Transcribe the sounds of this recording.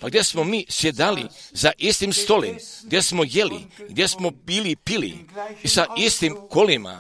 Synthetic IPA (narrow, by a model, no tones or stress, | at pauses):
paɡd̪jesmo̞miːsjed̪alḭsaʔist̪imst̪olḛmɡd̪je̞smojelḭɡd̪je̞smo̞biːlipilḭisaʔist̪imkolima̰